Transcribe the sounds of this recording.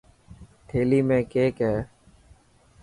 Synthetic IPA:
t̪ʰeːliːmẽːkeːkɦɛː

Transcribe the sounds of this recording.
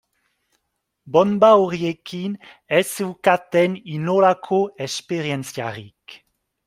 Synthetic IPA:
bɔnbaoʁjekʰin | ɛsewkat̪ɛninolakʰoɛspeʁjɛnsja̰ʁik

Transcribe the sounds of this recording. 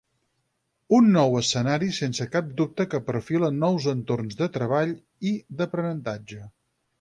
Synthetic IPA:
unːɔwəsənaɾisensəkap̚d̪up̚t̪əkəpəɾfilənːɔwzənt̪ornzðət̪ɾəβ̞aʎ | iðəpɾənənt̪ad͡ʒə

